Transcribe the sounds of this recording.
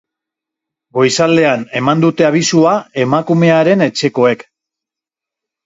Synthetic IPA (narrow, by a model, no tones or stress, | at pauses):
ɡo̞jsald̪e̞ane̞mand̪ut̪e̞aβ̞isuae̞makume̞aɾe̞ne̞t͡ʃe̞ko̞e̞k